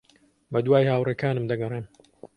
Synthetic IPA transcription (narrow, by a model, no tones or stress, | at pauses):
bɐd̪waːjhaːwrekaːnɨmd̪ɐɡɐreːm